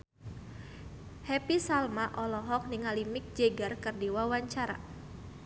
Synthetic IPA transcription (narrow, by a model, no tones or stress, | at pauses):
hɛpisalmaʔɔlɔɦɔk̚niŋalimik̚d͡ʒɛɡarkɨrdiwawaɲt͡ʃaɾa̰